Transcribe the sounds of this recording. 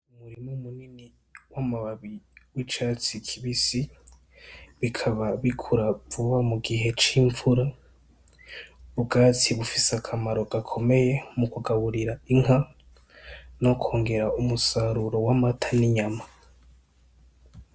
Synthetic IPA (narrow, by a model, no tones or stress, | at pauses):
muɾimumunini | wamaβaβiwit͡ʃat͡sikʰiβisi | βikʰaβaβikʰuɾavuβamuɡiɦe̞t͡ʃiɱvuɾa | βuɡat͡sʰiβufisakʰamaɾo̞ɡ̥akʰo̞me̞je̞mukuɡaβuɾiɾaiŋɦa | no̞kʰo̞ːŋɡe̞ɾaumusaɾuɾo̞wamatʰaniɲama